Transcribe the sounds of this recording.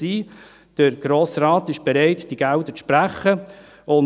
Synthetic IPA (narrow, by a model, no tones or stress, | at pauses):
iː | d̥əɾɡ̥ɾoːsɾaːtɪʃb̥ɛɾɛɪtd̥iɡ̥æʊdət͡sʃpɾæχə | ʊn